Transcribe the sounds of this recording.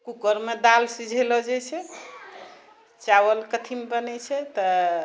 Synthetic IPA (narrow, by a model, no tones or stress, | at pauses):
kukəɾmed̪alsid͡ʒʱelɔd͡ʒɛt͡ʃʰɛ | t͡ʃawəlkət̪ʰimbənɛt͡ʃʰɛt̪ɔ